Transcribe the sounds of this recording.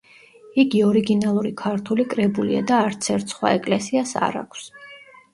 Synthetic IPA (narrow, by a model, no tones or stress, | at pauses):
iɡiɔɾiɡinalˠuɾikʰaɾt̪ʰulikʼɾɛbulḭa̰d̪aːɾt̪sʰɛɾt̪ʰsχwa̰ɛkʼlɛsiasa̰ɾa̰kʷʰs